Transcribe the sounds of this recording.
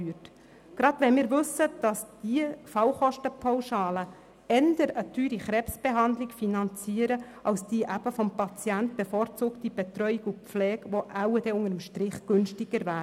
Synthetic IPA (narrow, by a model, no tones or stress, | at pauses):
yːət | ɡ̥ɾɑd̪ʋɛnmɪːɾʋɵsːəd̥ɑsd̥iəfɑwχɔʃtəpʰawʃɑːlə | ɛnd̥əɾətʰyːɾiχɾɛːpsb̥eɦɑndlɪkfinɑnt͡siːəɾə | ʔɑwsd̥iːʔæb̥əfɔmpɑt͡sjænt̚b̥efɔːɾt͡sʊːktib̥et̪ɾœʏikup͡flɛːkʋoʔæwədɛʊŋəɾəmʃtɾɪχɡ̥ɵnʃtiɡ̥əɾvæːɾ